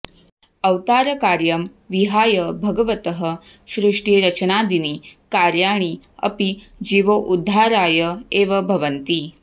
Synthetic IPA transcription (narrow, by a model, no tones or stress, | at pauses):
ɐwt̪aːɾɐkaːɾjɐm | ʋiɦaːjɐbʱɐɡɐʋɐt̪ɐɦɐʃɾuʂʈiɾɐt͡ʃɐnaːd̪inikaːɾjaːɳ̃iɐ̰pi | d͡ʒiʋoʔud̪ʱːaːɾaːjɐeːʋɐbʱɐʋɐnt̪i